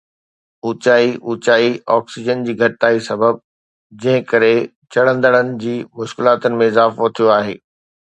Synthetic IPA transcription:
ʊːt͡ɕaːiʔut͡ɕaːiɔːksɪd͡ʑənd͡ʑiːɡʱɐʈɪt̪aːisɐbəb̚ | d͡ʑɐ̃ɦɪ̃kɐɾe | t͡ɕɐɽ̤ə̃nd̪əɽ̃ənɪ̆d͡ʑiːmʊʃkɪlaːt̪ənɪ̆mẽɪzaːfot̪ʰijoaːɦeː

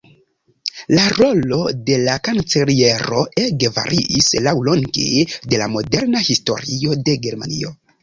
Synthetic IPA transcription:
laɾo̞lo̞de̞lakant͡selie̞ɾo̞eɡeva̰ɾʔiʔislawlo̞ŋɡḛde̞lamo̞de̞ɾnahisto̞̰ɾio̞de̞ɡe̞ɾma̰nio̞

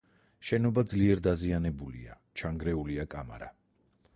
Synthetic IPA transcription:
ʃɛnɔbad̪zliɛɾd̪azianɛbulḭa̰ | t͡ʃʰaŋɡɾɛuliakʼama̰ɾa

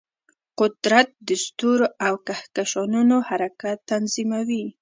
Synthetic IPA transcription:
qʊd̪ɾat̪̚d̪əst̪uɾawkahkaʃɑnunohaɾakat̪ːanzimawi

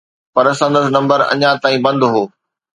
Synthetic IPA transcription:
pɐɾsɐ̃nd̪əs̬nɐ̃mbəɾɐ̰ɲãt̪aːĩbɐ̃nd̪ɦoː

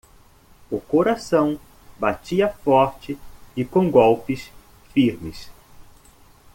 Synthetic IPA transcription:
ʊkoɾasɐ̃w̃ | bat͡ʃiɐfɔɾt͡ʃɪɪkõɡɔwpɪs | fiɾmɪs

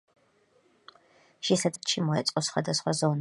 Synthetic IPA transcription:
ʃisɐt̪ʼt͡ʃʰimɔɛt͡sʼqʼɔsχʷwa̰d̪ɐsχʷazɔn

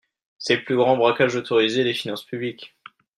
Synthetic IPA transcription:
seəplyɡʁɑ̃bʁakaʒot̪ʰoʁized̪efinɑ̃spyblikʲ

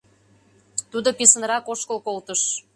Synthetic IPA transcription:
t̪ud̪opesənɾɑkoʃkəlkolt̪əʃ

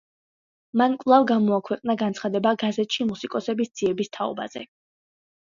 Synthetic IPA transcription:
mankʼwlˠavɡamɔakʰwɛqʼnaɡant̪sʰχad̪ɛbaɡazɛt̪ʃimusikʼɔsɛbisd̪z̥iɛbist̪ʰaɔ̰ba̰zɛ̰

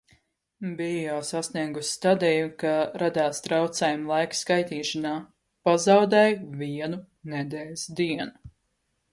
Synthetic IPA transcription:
bijɔːsasniɛɡusʲt̪ad̪ɛjukaɾad̪aːst̪ɾawt̪sɛːjumlˠajkskajt̪iːʃanaː | pazawd̪ɛjviɛnu | nɛd̪ɛːlʲsd̪iɛnu

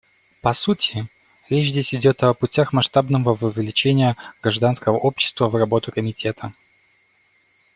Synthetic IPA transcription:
pɐsutʲɪ | ɾʲet͡ɕzʲdʲesʲɪdʲo̞t̪ɐpʊtʲaxmɐʂt̪abnəvəvɨvʲlʲɪt͡ɕenʲɪjəɡɾɐʐd̪anskəvəʔo̞pɕːɪ̥st̪vəvrɐbo̞t̪ʊkəmʲɪtʲe̞t̪ʰə

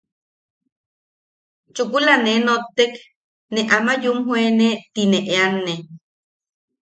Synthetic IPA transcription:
t͡ʃukulanenot̪ːek | neʔamajumhwenet̪ineʔeanːe

